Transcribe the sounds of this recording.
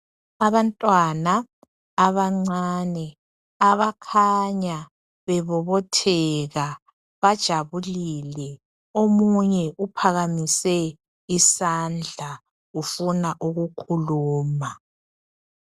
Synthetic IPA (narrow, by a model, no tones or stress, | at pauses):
aβantʼwanaː | βaŋ͡ǀanɛ | aβakʰaɲa | βɛβɔβɔtʰɛɣa | βad̥ʒ̥ʱaβulilɛ | omuɲɛʔupʰaɣamisɛ | isand͡ɮʱa | ufunaʔuɣukʰuluːma